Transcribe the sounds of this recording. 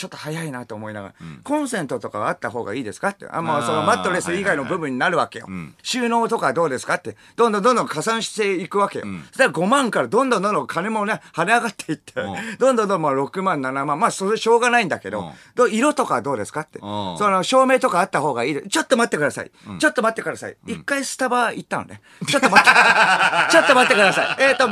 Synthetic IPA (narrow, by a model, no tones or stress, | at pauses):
t͡ɕo̞t̪ːohajainat̪o̞ːmo̞ina̰ɡa̰ɾakõ̞ɰ̃sẽ̞nt̪o̞t̪o̞ka̰βat̪ːaɦo̞ːɡa̰iːd̪e̞sɨ̥kat̪ːe̞̰a̰mosonomat̪ːo̞ɾe̞sɨiɡaino̞bɯ̟bɯ̟̃ɲ̟ːinaɾɯ̟βake̞jo̰ɕɨːno̞ːt̪o̞kaβad̪o̞ːd̪e̞sɨ̥kat̪ːe̞d̪̥õnd̪õnd̪ond̪õ̞ŋkasãɰ̃ɕi̥t̪e̞ikɯ̟βake̞jo̰d̪eaɡo̞mãŋkaɾad̪õ̞nd̪õnd̪õnd̪õŋkʰane̞mo̞nehane̞aɡat̪ːe̞it̪ʰːed̪õnd̪ond̪õmoɾo̞kɯ̟mãnnanamãmmaːso̞ɾeɕo̞ːɡanaĩnd̪ake̞d̪o̞̰d̪oiɾo̞t̪o̞kaβad̪o̞ːd̪e̞sɨ̥kat̪ːe̞̰sonoɕo̞ːme̞ːt̪o̞kaːt̪ːaho̞ːɡa̰iːd̪est͡ɕo̞t̪ːo̞mat̪ːe̞kɯd̪asa̰ḭt͡ɕo̞t̪ːo̞mat̪ːe̞kɯ̟d̪asa̰ḭikːaisɨ̥t̪abait̪ːano̰ne | t͡ɕo̞t̪ːomat̪ː | t͡ɕo̞t̪ːomat̪ːe̞kɯ̟d̪asaieːt̪ːo